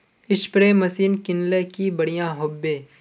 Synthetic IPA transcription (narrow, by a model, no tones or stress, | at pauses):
ɪʃpɾeːmɐsiːnkɪnlekibɐɽijãːɦʊbːẽː